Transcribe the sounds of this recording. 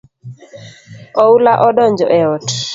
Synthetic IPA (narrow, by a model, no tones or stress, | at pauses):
ɔulaʔɔɗɔɲd͡ʒɔʔɛɔt